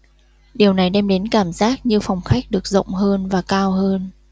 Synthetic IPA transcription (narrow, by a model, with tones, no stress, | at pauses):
ɗi˨˩əwna˨˩jɗɛ˧mɗe˨˦nkaː˧˩mzaː˦˥k̚ɲɨ˧fa˧˩wŋ͡mxa˦˥jk̟̚ɗɨ˨˩ək̚zə̰˧˨wŋ͡mɦəː˧nvaː˨˩kaː˧wɦəː˧n